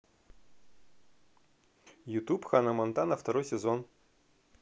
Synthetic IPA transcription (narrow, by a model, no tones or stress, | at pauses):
jʊt̪upxanɐmɐnt̪anɐft̪ɐɾojsʲɪzon